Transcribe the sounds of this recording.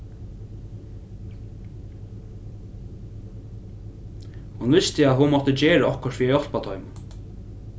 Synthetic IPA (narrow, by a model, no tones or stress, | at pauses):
hunvɪst̪ɪaðhunmɔt̪əd͡ʑeːɹaɔhkɔɾfiːajɔlpat̪ʰɔʏmʊn